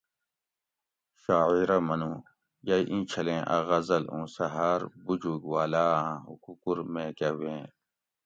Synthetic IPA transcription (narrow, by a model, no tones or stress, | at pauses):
ʃaːiɾɐmɐnũː | jɐjʔĩːt͡ʃʰɐlẽːʔɐ̰ɣɐzɐlṵ̃ːsɐɦaːɾbud͡ʑuɡwaːlaːãṵkukuɾmẽkɐɦuẽː